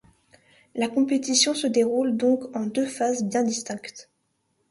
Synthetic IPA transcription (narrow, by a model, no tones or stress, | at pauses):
lakɔ̃pet̪isjɔ̃səd̪eʁuld̪ɔ̃kɑ̃d̪øfazbjɛ̃d̪ist̪ɛ̃kt̪